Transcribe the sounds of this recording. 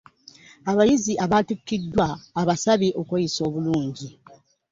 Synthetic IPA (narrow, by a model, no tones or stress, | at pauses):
aβajiziʔaβatukːidːwaːβasaβiʔo̞kwejiso̞ːβuluːɲɟi